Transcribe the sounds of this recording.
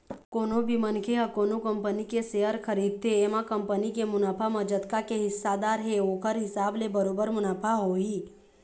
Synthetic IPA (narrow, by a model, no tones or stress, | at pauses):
koːnobʱimənkʰeɦəkoːnokəmpənikeseɦəɾkʰəɾid̪̚t̪ʰeːmãkəmpənikemʊnaːpʰamə̃d͡ʒət̪kakeɦɪsːad̪aɾɦeokʰəɾɦɪsaːblebəɾobəɾmʊnaːpʰaɦoɦi